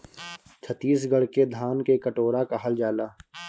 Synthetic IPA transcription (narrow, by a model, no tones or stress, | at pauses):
t͡ʃʰət̪ːiːsɡəɽked̪ʱaːnkekəʈoːɾakaɦəld͡ʒaːlaː